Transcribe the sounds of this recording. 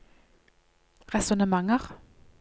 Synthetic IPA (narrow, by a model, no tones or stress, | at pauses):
ʁɛsʊnəmɑŋəʁ